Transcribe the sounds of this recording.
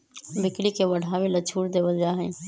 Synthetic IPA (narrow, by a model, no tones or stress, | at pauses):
bɪklikeʋɐɽʱaːʋelɐt͡ʃʰuːɽd̪eːʋəld͡ʒaːɦɛ̃